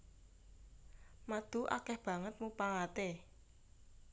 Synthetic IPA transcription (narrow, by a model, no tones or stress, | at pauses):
mad̪̥ṳʔa̰kɛhb̥ä̤ŋət̪̚mupaŋat̪e